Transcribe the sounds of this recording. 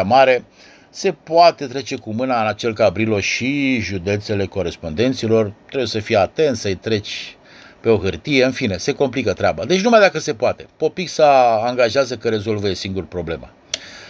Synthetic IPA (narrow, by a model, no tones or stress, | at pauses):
amaɾe̞ | se̞poat̪e̞t̪ɾe̞t͡ʃe̞kumɨnaɨnat͡ʃelkabɾilo̞ʃiʒud̪e̞t̪se̞le̞ko̞ɾe̞spo̞nd̪e̞nt̪silo̞rt̪ɾebujesəfijeat̪e̞nt̪səɨjt̪ɾe̞t͡ʃʲ | pe̞o̞ɦɨrt̪ije̞ɨnfine̞se̞ko̞mplikət̪ɾeabad̪e̞t͡ʃnumajd̪akəse̞poat̪epo̞piksəaŋɡaʒeazəkəɾe̞zo̞lvəjesiŋɡurpɾo̞ble̞ma̰